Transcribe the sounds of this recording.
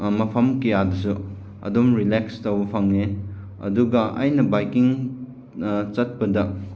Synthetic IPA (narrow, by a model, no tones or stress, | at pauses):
mɐpʰɐmkejadɐs̬u | ɐ̰domɾilekstɐwbɐpʰɐŋne | ɐ̰duɡɐʔɐ̰jnɐbajkiŋ | t͡ʃɐt̚pɐdɐ